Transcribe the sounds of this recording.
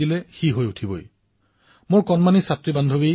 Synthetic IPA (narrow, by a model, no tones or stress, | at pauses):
ilɛxiɦojutʰibo̰j | mʊɹkɔnmanisatɹibandʱobi